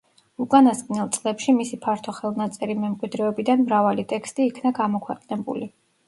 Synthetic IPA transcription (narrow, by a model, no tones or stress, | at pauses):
ukʼanaskʼnɛlˠt̪sʼlɛpʃimisipʰaɾt̪ʰɔχɛlˠnat̪sʼɛɾimɛmkʼwid̪ɾɛɔbid̪anmɾavalit̪ʼɛkst̪ʼiːkʰnaɡamɔkʰwɛqʼnɛbṵli